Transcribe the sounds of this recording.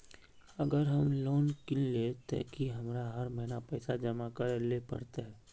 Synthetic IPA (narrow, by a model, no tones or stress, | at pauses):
ɐɡəɾɦɐmloːnkɪllet̪a̰kiɦɐmɾaɦɐɾməɦinapɛːsad͡ʒəmakəɾlepə̰ɾt̪eɦɛː